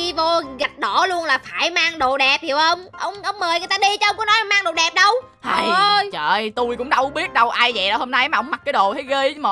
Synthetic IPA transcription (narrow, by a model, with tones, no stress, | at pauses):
i˧vo˧ɣa˨˩t̚ɗɔ˧˩˥lu˧ənlaː˨˩faː˧˩jmaː˧ŋɗo̰˧˨ɗɛ˨˩p̚hi˨˦əwʔə˧wŋ͡mʔə˧wŋ͡mʔə˧wŋ͡mməː˨˩jŋ˨˩jt̪aː˧ɗi˧t͡ɕɔ˧ʔə˧wŋ͡mkːnɔ˨˦jlːmaː˧ŋɗo˧˨ɗɛ˨˩p̚ɗə˧w | ha˨˩jt͡ɕəː˧˨˩jt̪u˧jkʊ̰˧˥ŋ͡mɗə˧wɓi˦˥ət̚ɗə˧wʔaː˧jvə̰˧˨ɗɔ̰˨˦ho˧mna˧jmaː˨˩hə˧˦wŋ͡mma˨˩k̚kːaː˨˦jɗo̰˧˨t̪ə˨˦jɣə˧jm˨˩